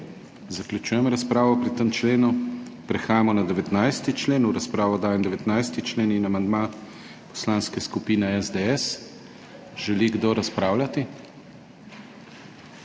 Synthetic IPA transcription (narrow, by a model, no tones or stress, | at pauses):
zaklʲjut͡ʃuːjɛmɾaspɾaːʋɔpɾit̪əmt͡ʃleːnupɾɛxaːjamɔnad̪ɛʋɛt̪najst̪it͡ʃleːnuɾaspɾaːʋɔd̪aːjɛmd̪ɛʋɛt̪najst̪it͡ʃleːninamand̪ma | pɔ̥slanskɛskupiːnɛɛzd̪eɛs | ʒ̥ɛliɡd̪oɾaspɾaːwlʲat̪i